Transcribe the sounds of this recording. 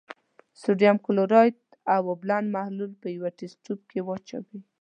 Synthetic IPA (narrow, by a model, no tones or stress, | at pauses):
suɖjamkʊloɾɑjt̪ | awablanmahlulpəjawaʈesʈub̚kʰewɑt͡ʃa̰wi